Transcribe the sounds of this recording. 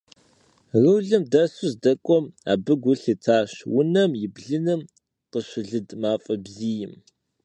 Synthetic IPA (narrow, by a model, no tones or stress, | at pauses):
rɨwɮɨmdɐsʊzdɐkʷʼɔma̰ːbɨɡʷʊɬitʰaːɕwʊnɐmjɪbɮɨnɨm | qəɕʷɪɮɨdmaːfʼɐbziːjɪm